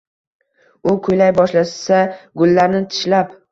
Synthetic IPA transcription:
ʊkʰʊjlajbɒʃlassaɡʊlːaɾnɪt̪ʰɪ̥ʃlap

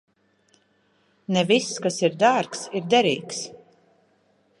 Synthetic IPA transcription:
nɛvisːkasiɾd̪aːɾksiɾd̪ɛɾiːks

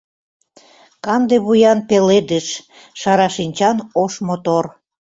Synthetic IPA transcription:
kɑmd̪eβujɑnpeled̪əʃ | ʃɑɾɑʃinʲt͡ɕɑnoʃmot̪or

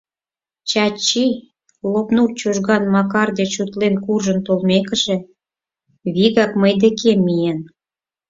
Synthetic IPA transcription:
t͡ɕɑt͡ɕi | lopnurt͡ɕuʒɣɑnmɑkɑrd̪et͡ɕut̪lenkurʒənt̪olmekə̆ʒĕ | βiɣɑkməjd̪ekemːijen

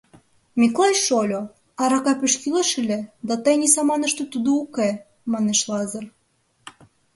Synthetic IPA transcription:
mʲiklˠɑjʃolʲo | ɑɾɑkɑpeʃkilɑʃilʲĕd̪ɑt̪ɤjnʲisɑmɑnə̆ʃt̪ot̪ud̪ouke | mɑneʃlˠɑzɤr

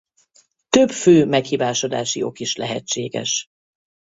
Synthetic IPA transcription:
t̪øbføːmɛkhiːvaːʃod̪a̰ːʃio̞kiʃlɛɦɛ̰t͡ʃːeːɡɛ̰ʃ

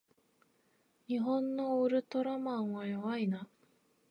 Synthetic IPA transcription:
ɲ̟iɦõ̞nːo̞ɾɯ̟t̪o̞ɾamãɰ̃βajoβaina

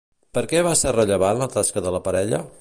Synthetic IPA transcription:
pəɾkɛβasɛrəʎəβ̞anlət̪askəðələpəɾɛʎə

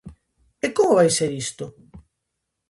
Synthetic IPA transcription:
ɪkomʊβajseɾist̪ʊ

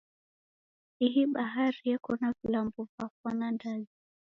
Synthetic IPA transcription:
iɦiɓaɦaɾijɛkɔnavilambɔvakwanandazi

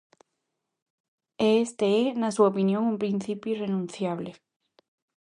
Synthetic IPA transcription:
est̪eenasuaopinjõŋumpɾin̟θipjuirenũn̟θjaβle

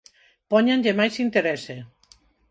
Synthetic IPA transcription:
pɔɲenʲʎemajsint̪eɾɛse

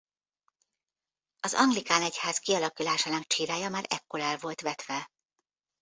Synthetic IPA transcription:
ɒzɒ̰ŋɡlikaːnɛchaːskiɒlɒkulaːʃaːnɒkt͡ʃiːɾaːjɒmaːɾɛ̰kːolɛlvo̞lt̪ʋɛt̪ʋɛ

